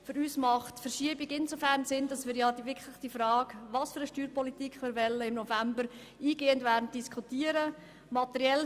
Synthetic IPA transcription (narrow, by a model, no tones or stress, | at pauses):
fʏɾyːsmɑχtfəɾʃiəbiɡɪnsofæɾnsɪnd̥ɑsmɪːɾjɑd̥iʋɪkʰlɪχstifɾɑːɡʋɑːsfʏɾəʃtyːɾpɔlitikʰχmɪːɾʋɛlːəɪmnɔfæmbəɾ | iːɡeːəndʋæːɾdn̩t̚d̥iskʰutiəɾə | mɑtɛɾjɛl